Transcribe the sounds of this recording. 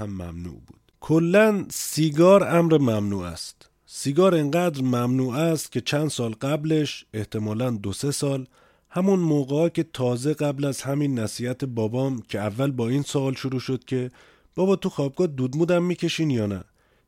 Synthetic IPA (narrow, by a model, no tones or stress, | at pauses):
æmːæ̰mnṵːʔbṵːd̪̥kʰolːænsiːɡɒːɾæmɾemæmnuːæ̰st̪ | siːɡɒːɾeŋɢæd̪ɾmæmnuːæst̪̚cʲʰe̞t͡ʃʰænd̪sɒːlɢæble̞ʃe̞ht̪ʰe̞mɒːlænd̪ose̞sɒːl | hæmunmoːɣeɒːcʰe̞t̪ʰɒːze̞ɡæblæzhæmiːnːæsiːhæt̪ʰe̞bɒːbɒːmcʰe̞ævːælbɒːiːnsoːlʃoɾuːʃod̪̥cʰe̞ | b̥ɒːbɒːt̪ʰuxɒːb̚ɡɒːd̪uːd̪muːd̪æmːiːcʰe̞ʃiːnjɒːnæ